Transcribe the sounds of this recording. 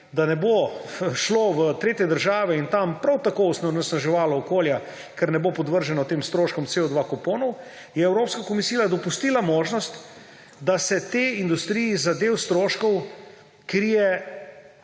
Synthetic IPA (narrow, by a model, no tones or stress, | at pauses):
d̪anɛboʃloʋət̪ɾeːt̪jɛd̪əɾʒaːʋɛint̪ampɾawt̪akoɔsnanɛsnaʒɛʋaːlɔːkoːlja | kɛɾnɛbopɔd̪ʋəɾʒɛnɔt̪eːmst̪ɾoːʃkɔmt̪seɔd̪ʋakɔpoːnɔw | jɛɛwɾoːpskakɔmisijad̪ɔpust̪iːlamoːʒnɔst̪ | d̪asɛt̪eind̪ust̪ɾijizad̪eːwst̪ɾoːʃkɔw | kɾijɛ